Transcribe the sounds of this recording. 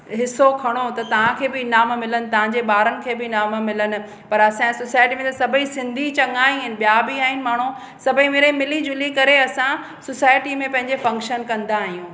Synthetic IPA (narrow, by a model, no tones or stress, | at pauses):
ɦɪsokʰɐɽ̃ot̪ɐt̪ɐʋ̤ãkʰeːbɪnaːmmɪlənɪ̆t̪ɐʋ̤ãɲd͡ʑeɓaːɾənɪ̆kʰeːbɪnaːmmɪlənɪ̆ | pɐɾɐsãsosaːɪʈimẽt̪ɐsɐbʱisɪ̃nd̪ʱit͡ɕɐŋaːĩɦɪnɪ̆ɓjabiaːɦɪnɪ̆maːɽ̤̃o | sɐbʱimeːɾimɪlid͡ʑʊlikɐɾeɐsã | sosaːɪʈimẽpɐ̃ɦɪ̃ɲd͡ʑefɐ̃ŋkʃənkɐ̃nd̪aːɦijũː